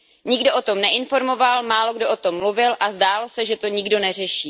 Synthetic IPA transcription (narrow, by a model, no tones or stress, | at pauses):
ɲɪɡdo̞ʔot̪o̞mnɛʔɪnfo̞ɾmo̞valmaːloɡdoʔot̪o̞mːluvɪlʔazdaːlo̞sɛʒɛt̪o̞ɲɪɡdo̞nɛr̝ɛʃiː